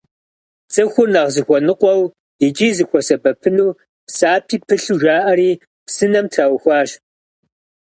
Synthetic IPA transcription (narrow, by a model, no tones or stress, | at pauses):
t͡sʼɐxʷʊrnɐʁzɨxʷɔnɨqʷʼɔw | ɪt͡ʃʼiːzɨxʷɔsɐbɐpʰɨnuː | psaːpʰiːpʰɨɬuʒaːʔɐɾiː | psɨnɐmtʰraːwxʷɑːɕ